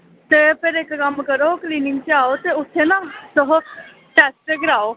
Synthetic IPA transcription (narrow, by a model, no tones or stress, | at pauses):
t̪epeɾekkɐmkɐɾokliːnɪ̃ŋɡt͡ʃeaːot̪eʊt̪ʰːenat̪oɦ | ʈɛːspeɡɪɾaːo